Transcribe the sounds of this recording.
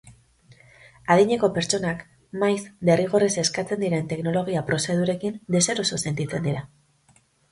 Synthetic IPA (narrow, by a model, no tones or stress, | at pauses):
aðiɲe̞ko̞pe̞ɾt͡ʃo̞nak | majsbe̞riɣ̞o̞rese̞skat͡se̞nd̪iɾe̞nt̪e̞kno̞lo̞ɣ̞iapɾo̞se̞ð̞uɾe̞kind̪e̞seɾosose̞nt̪it͡se̞nd̪iɾa